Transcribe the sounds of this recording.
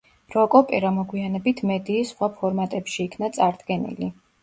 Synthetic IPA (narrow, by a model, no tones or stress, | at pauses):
ɾɔkʼɔpʼɛɾamɔɡwianɛbit̪ʰmɛd̪iːsχwapʰɔɾmat̪ʼɛpʃiːkʰnat̪sʼaɾd̪̥ɡɛnḭli